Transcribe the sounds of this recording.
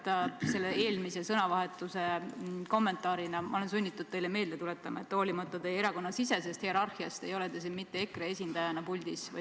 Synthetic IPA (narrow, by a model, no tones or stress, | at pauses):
t̪ɑse̞lːeeːlmise̞sɤnɑvɑɦe̞t̪ːˑuse̞ko̞mːe̞nt̪ˑɑːɾinɑmɑ̰o̞le̞ns̬unʲːit̪ːˑud̪̥̚t̪ejleme̞ːld̪e̞t̪ule̞t̪ːˑɑmɑe̞t̪ːˑo̞ːlimɑt̪ːˑɑt̪ejeɾɑko̞nːɑsise̞s̬e̞st̪hieɾɑrhiɑst̪e̞jo̞le̞d̪es̬inmit̪ːe̞ekɾee̞sʲind̪̥ɑjɑnɑpulʲd̪̥isvɑ̰